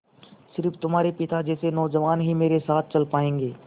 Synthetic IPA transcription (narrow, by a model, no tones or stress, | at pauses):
sɪɾfʰt̪ʊmɦaːɾepɪt̪ad͡ʒɛːsenɔːd͡ʒəʋaːnɦimeːɾesaːt̪̚ʰt͡ʃɐlpaːẽːŋɡeː